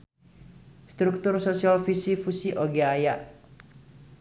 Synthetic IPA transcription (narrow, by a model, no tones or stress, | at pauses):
st̪ɾuk̚t̪ʊrsosialfisifusiʔoɡeajaʔ